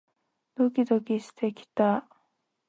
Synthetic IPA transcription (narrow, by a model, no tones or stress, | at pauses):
d̪̥o̞kʲid̪o̞kʲiɕi̥t̪e̞kʲi̥t̪a